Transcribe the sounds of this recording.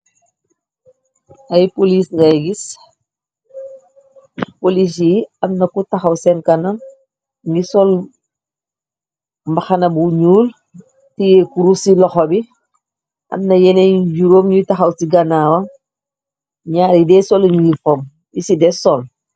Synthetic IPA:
ɐjpoliːsɡaɡis | polis̬iɐmnɐkutɐxɐwsɛnkɐnɐm | ŋɡisɔl | mbɐxɐnɐbuɲuːl | tijɛkuɾusilɔxɔbi | ʔɐ̰mnɐjɛnɛɟuɾoːmɲutɐxɐwsiɡɐnaːwɐm | ɲaːɾidɛsɔlɲujifɔm | jisidɛsɔl

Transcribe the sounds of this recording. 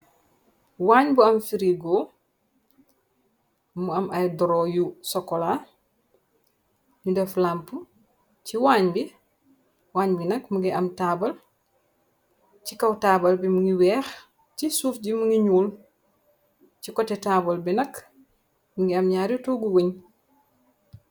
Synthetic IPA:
waːɲbuɐmfiɾiɡo | muɐmɐjdɔɾojusɔkːɔla | ɲudɛflampu | ciwaːɲbi | waːɲbinɐkmuŋɡiʔɐmtaːbɐl | cikɐwtaːbɐlbimuŋiwɛːx | cisuːfɟimuŋiɲuːl | cikɔtetaːbɐlbinɐk | muŋɡiɐmɲaːɾutoɡuwuɲ

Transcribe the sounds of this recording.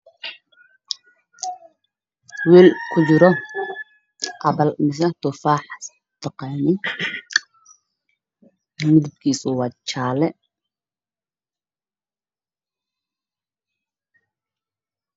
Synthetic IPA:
wɛːlkʰʊt͡ʃɪɾɔ | ʔɐbɐlmɪs̬ɐt̪ʊfaːħs | t̪ɑqɑːnɪn | mɪd̪ɪb̚kʰiːsɔwɑt͡ʃaːlɛ

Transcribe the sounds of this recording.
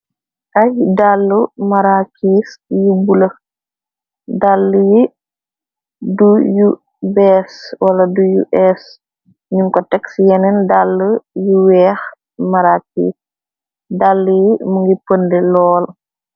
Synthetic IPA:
ʔɐjdalːumɐɾakiːsjubulɐ | dalːuji | duju | bɛswɐlɐdujṵʔɛs | ɲuŋkɔtɛksjɛnɛndalːujuwɛːx | mɐɾaːkḭːs | dalːujimuŋɡipəndɛlɔːl

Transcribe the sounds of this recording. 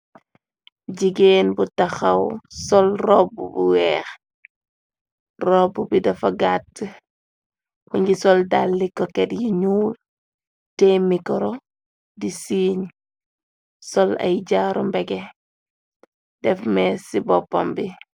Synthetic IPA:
ɟiɡenbutaxɐwsɔlrɔbubṵwɛːx | rɔbubidɐfɐɡatː | wuɲɟisɔldalːikːɔkɛtjiɲuːl | temikɔɾɔ | disiːɲ | sɔlɐ̰jɟaːɾɔmbɛɡɛ | dɛfmɛsibɔpːa̰mbi

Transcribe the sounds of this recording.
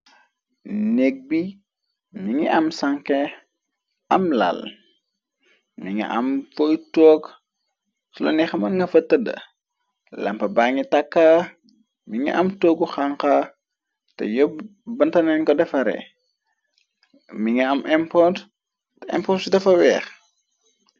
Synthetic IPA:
nɛk̚bi | miŋiʔɐmsaŋkɛ | ɐmla̰l | miŋḭʔɐ̰mfɔjtɔːk | sɔlɐ̰nɛxɐmɐnŋɡɐfɐtːɐdɐ̰ | lɐmpɐbaːŋitɐkːa | miŋḭʔɐmtoːɡuxaŋka | tɛ̰jɔbɐntɐnɛnkɔdɛfɐɾɛ̰ | miŋiɐmʔɛmpɔt | tɛɛ̰mpɔtsudɐfɐwɛːx

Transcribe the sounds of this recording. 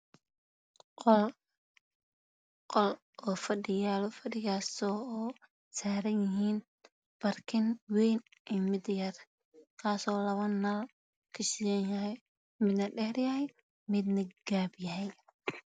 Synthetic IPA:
qɔl | qɔl | ɔːfɐɖɪjaːlɔfɐɖɪɣaːsɔː | saːɾɐnjɪɦiːn | b̥ɐrkʰɪnwɛjnʔɛmɪd̪jɐr | kʰaːsɔːlɐβɐnːal | kʰɐʃɪjɐnjɐɦɛj | mɪd̪nɐɖɛhrjɐɦɛj | mɪd̪nɐɡ̥aːbjɐɦɛj

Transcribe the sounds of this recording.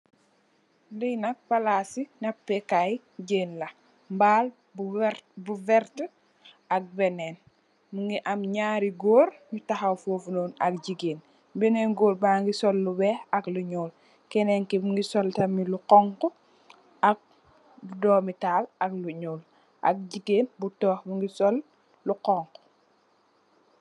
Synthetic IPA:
dijnɐk̚palasinapːɛkaj | ɟeːnlɐ | mbaːl | bɾbuvɛɾtə | ak̚bɛneːn | muŋɡiʔamɲaːɾiɡoːɾmitaxawfoːfunoːnɐk̚ɟiɡeːn | bɛnɛnɡoːɾbaŋɡisɔlːubɛɐkluɲoːl | kɛnɛŋkimuŋɡisɔltɐmiluqɔŋkɔ | ʔɐk̚ | budɔːmitaːlɐkluɲoːl | ʔɐ̰k̚ɟiɡeːnbutɔːxmuŋɡisɔlː | uqɔŋkɔ̥

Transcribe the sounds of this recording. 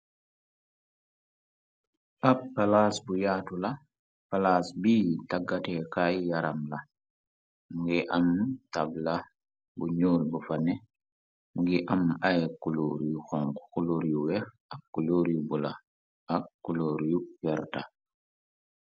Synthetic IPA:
ʔappːalasbujaːtula | palasbiːtaɡːatɛkajjaɾamla | mŋɡɛʔamtabla | buɲoːlbufanɛ | ŋɡiʔamajkuloɾjuxɔŋkkuloɾjuwɛ | akːuloɾijubula | akːuloːɾjufɛɾta

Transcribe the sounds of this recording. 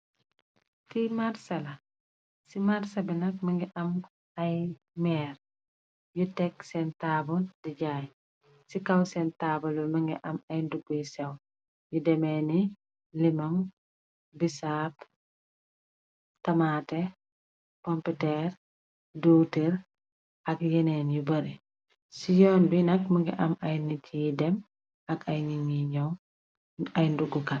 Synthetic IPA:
timaɾsɐlɐ | simaɾsɐbinɐk̚mɐŋɡiʔɐm | ɐj | mɛːr | jutɛksɛntaːbɔdiɟaːj | sikɐwsɛntaːbɔlɔmɐŋɡiʔɐmɐjndubujsɛw | judɛmɛni | limɐm | bisap | tɐmaːtɛ | kɔmpitɛːɾ | doteɾ | ɐkjɛnɛːnjubɐɾi | sijɔːnbinɐk̚mɐŋɡɛ̰ʔɐmajnitʰijidɛm | ɐkʰɐjniɲiɲɔ | ɐjnduɡukat

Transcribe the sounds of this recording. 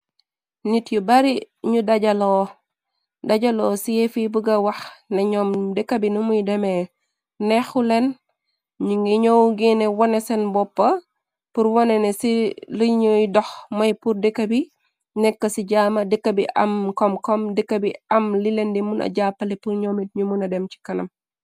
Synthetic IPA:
nitjubɐɾi | ɲudɐɟɐlɔ | dɐɟɐlɔːsijefibuɡɐwɐxnɐɲɔːmdəkːɐbinumujdɐmɛ | nɛxulɛn | ɲuŋɡiɲɔwɡinɛwɔnɛsɛnbɔpːɐ | puɾwɔnɛnɛsiliɲujdɔxmɐjpurdəkːɐbi | nɛkːɐsiɟaːmɐdəkːɐbiʔɐ̰mkɔmkɔmdəkːɐbiɐmlilɛndimunʔɐ̰ɟapːɐlipuɲɔːmit̚ɲumunɐdɛmt͡ʃi̥kɐnɐm

